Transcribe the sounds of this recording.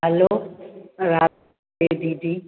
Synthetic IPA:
ɦɐlo | ɾaː | eːd̪id̪i

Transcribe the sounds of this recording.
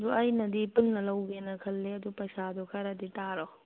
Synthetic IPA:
d̪uɐjnɐd̪ipulnɐlɐwɡenɐkʰɐlːeɐd̪upɐjsad̪ɔkʰɐɾad̪itaɾɔ

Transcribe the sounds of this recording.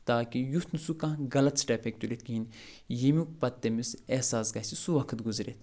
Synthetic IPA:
t̪aːkijut̪nusukãːɡɐlɐt̪sʈɛːpʰek̚t̪ulet̪̚ɡiin | jimuk̚pɐt̪ːemisesaːsɡɐsisuʋɐkʰɨt̪ɡuzɾeːt̪

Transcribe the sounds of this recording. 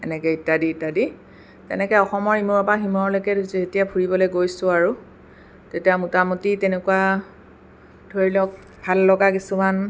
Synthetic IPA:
ɛ̰nɛkɛitːadiitːadi | tɛ̰nɛkɛɔxɔmɔɹimoɹɔpaɦimɔɔlokɛdzietijapʰuɹibɔlojɡojsʊ̃aɹu | tetijamutamutitɛnɛkuwa | d̥ʱoɹilɔk̚ | bʱalːɔɡakisuman

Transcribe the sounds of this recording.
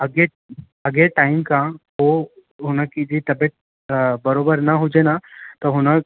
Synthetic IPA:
əɡe | əɡeʈaimkãɦo | ɦunakid͡ʑit̪əbeʈ̚ | bəɾobəɾnaɦud͡ʑenat̪əɦuñak

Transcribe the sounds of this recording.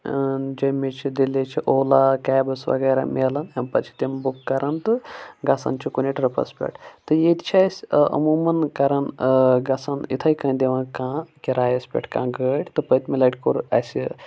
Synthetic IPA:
d͡ʒɐmet͡ʃʰid̪ilet͡ʃʰiʔoːlakaːjbɐsʋɐ̰ɡɐjɾa̰meːlɐnɐmpɐt͡ʃʰi̥t̪embukːɐɾant̪ɨɡɐsa̰ːnt͡ʃʰikunʲiʈʲɾɐpɐ̰spʲḛʈt̪ɨjet̪t͡ʃʰasʲə̰muːmɐnkɐɾanɡɐsanḭt̪ʰɐjkɐ̃nd̪eʋãːnkãːkʲiɾaːjɐspʲḛʈʰkã̰ːɡəʈʲt̪ɨpəjt̪milɐʈʲkoɾɐ̰sʲi

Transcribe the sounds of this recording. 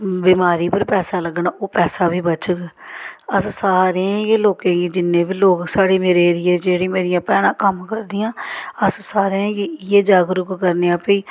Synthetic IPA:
biːmaːɾiːpəɾpɛːsaːləɡnaːoːpɛːsaːbʱiːbət͡ʃəɡ | əssaːɾeãjeːloːkẽːɡiːd͡ʒɪnːeːbiːloːksaːɽeːmeːɾeːɾɪːɛːd͡ʒeːɽiːmeːɾɪjãːpɛːɽãːkəmkəɾd̪ɪjãːəssaːɾeãːɡiːjeːd͡ʒaːɡɾʊkkəɾneːãːpiː

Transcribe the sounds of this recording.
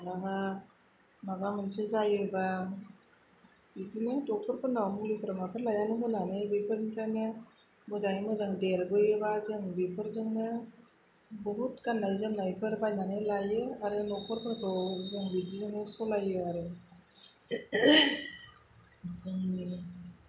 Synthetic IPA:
naŋa | mabamɯnsɯzajɯba | bidinɯtɔk̚pʰɔɾpʰɯnawmulipʰɾamapʰɯɾlajanɯŋɡɯnanɯjbipʰɯɾnpʰɾanɯ | mɯzajmɯzaŋdeɾbɯjɯbazɯŋbipʰɯɾzɯŋnɯ | bɯɦut̚kanːajzɯmnajpʰɯɾbajnanɯlajɯaɾɯnɔk̚pʰɔɾpʰɯɾkʰɯwzɯŋbidizɯŋnɯsɔlajɯaɾɯ | zɯŋni

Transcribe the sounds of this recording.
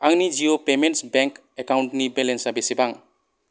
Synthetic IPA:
aŋnid͡ʒiopementsbeŋk | ekawnʈnibelensabesibaŋ

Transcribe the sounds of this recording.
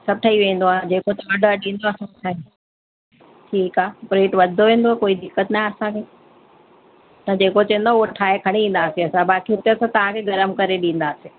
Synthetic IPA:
sɐb̚ʈʰɐiʋẽːn̆d̪oaːɦd͡ʑeːkot̪ɐɐɖəɗĩːn̆d̪oɐsãʈʰaːi | ʈʰiːkaːpɾẽːʈʋɐd̪ʱoʋẽːnd̪oakoːid̪ɪkːət̪nãɐsãkʰeː | t̪ɐd͡ʑeːkot͡ɕɐ̃ə̃nd̪oauɦoʈʰaːekʰɐɽ̃iĩːn̆d̪aːseɐsãbaːkiut̪eɐsãt̪ɐʋ̤ãkʰeɡɐɾəmkɐɾeɗĩːn̆d̪aːse

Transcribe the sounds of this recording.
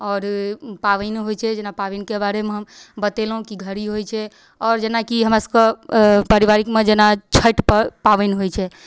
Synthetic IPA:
ɔːɾpaʋənɦojt͡ʃʰɛd͡ʒenapaʋɛnkebaɾemeɦəmbət̪elɦũkiɡʱəɾiɦojt͡ʃʰɛ | ɔɾd͡ʒenakiɦəmɾasə̥kepəɾiβaɾikmed͡ʒenat͡ʃʰəʈppaʋɛnɦojt͡ʃʰɛ

